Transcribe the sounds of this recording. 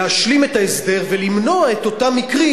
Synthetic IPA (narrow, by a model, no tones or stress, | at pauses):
aʃlime̞t̪aesd̪e̞ʁvelimno̞ae̞t̪o̞tamːikʁi